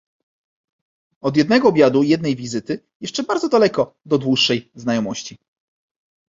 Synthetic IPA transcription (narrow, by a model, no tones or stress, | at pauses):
ɔd̪jɛd̪nɛɡɔːbʲjad̪ujɛd̪̚nɛjvʲizɘt̪ɘ | jɛʂt͡ʂɛbaɾd̪zɔd̪alɛkɔd̪ɔd̪wuʂːɛjznajɔmɔɕt͡ɕi